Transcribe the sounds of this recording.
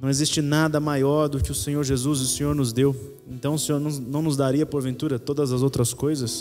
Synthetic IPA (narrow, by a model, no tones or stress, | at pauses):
nɐ̃w̃ezist͡ʃɪnad̪ɐmajɔɾd̪ʊkɪʊsẽɲoɾʒezuzʊsẽɲoɾnʊzd̪ew | ẽnt̪ɐ̃w̃ʊsẽɲoɾnɐ̃w̃nɐ̃w̃nʊzd̪aɾiɐpoɾvẽnt̪uɾɐt̪od̪ɐzɐzowt̪ɾɐskojzɐs